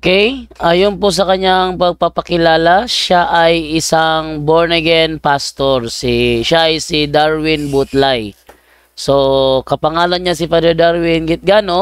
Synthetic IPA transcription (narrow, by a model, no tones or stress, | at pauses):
okɛjʔajonpos̬ɐkɐɲaŋpɐɡ̚papɐkɪlaːlaʃaʔajɪsaŋboɹnɛɡɛnpast̪oɾsiʃaʔːjsid̪aɹwɪnbut̪laj | sokɐpɐŋaːlɐnɲasɪfɛd̪ɛd̪aɾwɪnɡɪt̪̚ɡano